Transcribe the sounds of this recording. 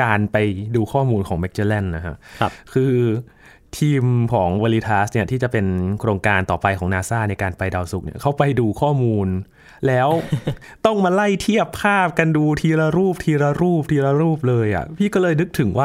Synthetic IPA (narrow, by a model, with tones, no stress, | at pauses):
kaː˧npa˧jduː˧kʰɔː˥˩muː˧nkʰɔː˩˦ŋmɛ˦˥k̚t͡ɕeː˧lɛ˥˩nːa˦˥kʰa̰˦˥ʔkʰɯː˧ | t̪ʰiː˧mkʰɔː˩˦ŋwaː˧liː˦˧˥t̪ʰaː˦˥s̚ni˥˩ɐt̪ʰiː˥˩t͡ɕa˨˩pe˧nkʰɾoː˧ŋkaː˧nt̪ɔː˨˩pa˧jkʰɔː˩˦ŋnaː˧saː˥˩na˧jkaː˧npa˧jda˧wsu˨˩k̚nḭ˥ɐkʰa˦˥wpa˧jduː˧kʰɔː˥˩muː˧n | lɛː˦˥w | t̪ɔ˥˩ŋmaː˧la˥˩jt̪ʰi˥˩əpʰːaː˥˩p̚ka˧nduː˧t̪ʰiː˧ɾa˧ɾuː˥˩p̚t̪ʰiː˧ɾa˧ɾuː˥˩p̚t̪ʰiː˧ɾa˧ɾuː˥˩p̚lɤː˧jʔa̰˨˩pʰiː˥˩kɔː˥˩lɤː˧jnɯ˦˥k̚t̪ʰɯ˩˦ŋwaː˥˩